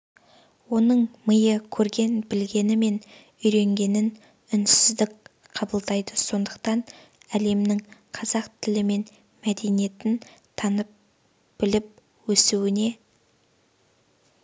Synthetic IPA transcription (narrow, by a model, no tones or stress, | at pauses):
wo̞nəɴməjəkʲʰɵɾɡʲe̞nbɪlɡʲe̞nɪme̞n | ʏjɾe̞ŋɡʲe̞nɪn | ʏnsɪzd̪ɪk̚ʲ | qʰɑbəlˠd̪ɑjd̪əso̞nd̪əqt̪ɑnæle̞mnɪŋqʰɑzɑqt̪ʰɪlɪme̞n | mæd̪e̞nije̞t̪ɪnt̪ʰɑnəp̚ | b̥ɪlɪp̚ | wɵsuwɪne̞